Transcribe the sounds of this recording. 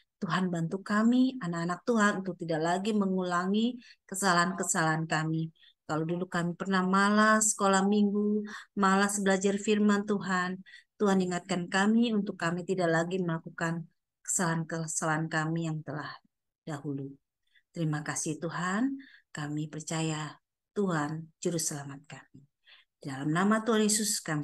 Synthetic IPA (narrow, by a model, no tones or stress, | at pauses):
t̪uɦanbant̪ukamianakanak̚t̪uɦanunt̪ʊk̚t̪idaʔlaɡiməŋulaŋikəsalaankəsalaankami | kalodulukamipərnahmalahsə̥kolahmiŋɡumalasbəlad͡ʒarfirmant̪uɦant̪uɦaniŋat̪̚kankamiunt̪ʊkːamit̪idaʔlaɡiməlakukan | kə̥salankəsalaankamijaŋt̪əlah | d̥ahulu | t̪əɾimakasɪht̪uɦankamipərt͡ʃaja | t̪uɦand͡ʒuɾʊsəlamat̪̚kami | didalamnamat̪uɦanjesʊskam